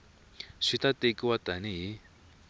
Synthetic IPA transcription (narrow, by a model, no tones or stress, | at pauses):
ʂit̪at̪ekiwat̪aniɦi